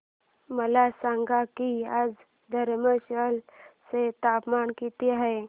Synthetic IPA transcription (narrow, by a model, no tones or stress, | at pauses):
məlasãŋɡakiaːd͡z | d̪ʱəɾməʃəlset̪apmankit̪iɦə